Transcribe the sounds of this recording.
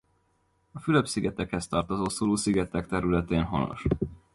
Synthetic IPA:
ɒfyløbsiɡɛt̪ɛkhɛst̪ɒrt̪ozoːsoːloːsiɡɛt̪ɛkt̪ɛɾylɛt̪eːnɦo̞̰no̰ʃ

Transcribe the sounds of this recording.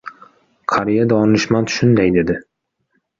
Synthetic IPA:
qʰaɾijad̪ɒnnɪʃmant̪ʰʃʊnd̪ajd̪e̞d̪ɪ

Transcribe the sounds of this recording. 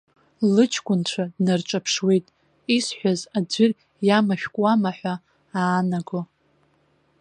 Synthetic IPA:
lɨt͡ʃʰkʷʼʊnt͡ɕʷʰadnart͡ʃʷʼapʰʂwijtʼ | isħʷᶣazad͡zʷʏr | jamaʃᶣkʷʼwamaħʷᶣa | aːnaɡo

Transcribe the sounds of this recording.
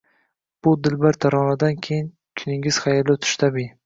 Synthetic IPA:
b̥ʊd̪ɪlbaɾt̪ʰaɾɒnad̪ankʲʰejɪn | kʲʰʊnɪŋʲɪz̥χajalɪt̪ʰʊ̥ʃt̪ʰabi

